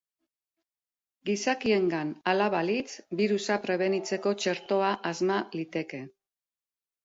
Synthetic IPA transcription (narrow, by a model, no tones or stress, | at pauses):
ɡisakie̞ŋɡanalaβalit͡sbiɾusapɾe̞β̞e̞nit͡se̞ko̞t͡ʃe̞ɾt̪o̞aʔazmalit̪e̞ke̞